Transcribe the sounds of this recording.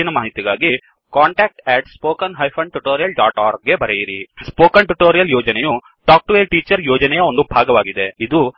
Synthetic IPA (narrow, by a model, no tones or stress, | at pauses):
inɐmaːɦit̪iɡaːɡi | kaːɳʈaːk̚ʈɛːʈspoːkɐnɦɐjpʰɐɳʈuʈoːɾijɐlɖaːʈaːɾɡːe̞bɐɾejiɾispoːkɐɳʈuʈoːɾijɐljoːd͡ʒɐnɛju | ʈaːk̚ʈʋeːlʈiːt͡ʃɐɾjoːd͡ʒɐnɛjɐo̞nd̪ubʱaːɡɐʋaːɡid̪e̞id̪u